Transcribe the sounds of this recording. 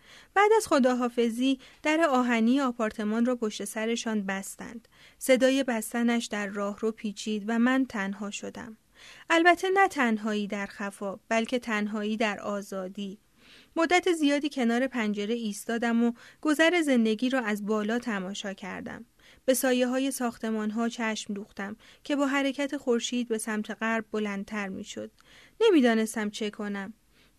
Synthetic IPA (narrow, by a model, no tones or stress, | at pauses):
b̥æːd̪æz̥xo̞d̪ɒːɦɒːfe̞ziːd̪̥æɾe̞ɒːɦæniːeɒːpʰɒːɾt̪ʰe̞mɒːnrɒːpʰo̞ʃt̪e̞sæɾe̞ʃɒːnbæst̪æ̰nd̪̥ | se̞d̪ɒːje̞bæst̪ænæʃd̪̥æɾːɒːhropʰiːt͡ʃʰiːd̪væmænt̪ʰænɦɒːʃo̞d̪æ̰m | ʔælbæt̪ʰːe̞næt̪ʰænɦɒːiːd̪æɾxæfɒːb̥ælcʰe̞t̪ʰænɦɒːiːd̪æɾɒːzɒːd̪iː | mod̪ːæt̪ʰezijɒːd̪iːcʰe̞nɒːɾe̞pʰænd͡ʒe̞ɾeiːst̪ɒːd̪æmoɡ̥o̞zæɾe̞ze̞nd̪e̞ɟiːɾɒːæzbɒːlɒːt̪ʰæmɒːʃɒːcʰæ̰ɾd̪æ̰m | b̥e̞sɒːjeɦɒːje̞sɒːxt̪ʰe̞mɒːnɦɒːt͡ʃʰæʃmd̪uːxt̪æmcʰe̞bɒːɦæɾe̞cʰæt̪ʰe̞xo̞ɾʃiːd̪̚be̞sæmt̪ʰe̞ɣæɾbːo̞lænd̪̚t̪ʰæɾmḭːʃo̞̰d̪̥ | ne̞miːd̪ɒːne̞st̪æmt͡ʃʰe̞kʰo̞næm